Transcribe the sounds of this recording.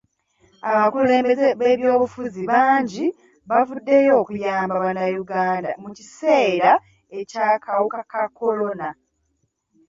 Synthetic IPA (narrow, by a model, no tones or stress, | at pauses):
aβakule̞ːmbe̞zeβe̞ːβjo̞ːβufuziβaːɲɟi | βavudːe̞jo̞ːkujaːmbaβanajuɡaːnda̰mucise̞ːɾa | ecaːkʰawukakakːo̞lo̞na